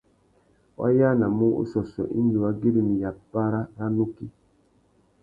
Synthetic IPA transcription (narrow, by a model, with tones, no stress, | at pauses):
wʔa̰˦ja˦na˨mu˦ṵ˦sɔ˨sɔ̰˨ʔḭ˦n˦d͡ʒi˨wa˦ɡe˦ɾi˨mi˨ja˨pa˦ɾa˦ɣa˦nu˦ki˦